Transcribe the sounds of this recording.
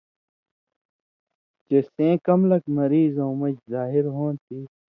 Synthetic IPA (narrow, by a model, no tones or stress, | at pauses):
t͡ʃesẽːkɐmlɐkmɐɾiːzõːmɐd͡ʒzaːɦɪɾɦõːnt̪iː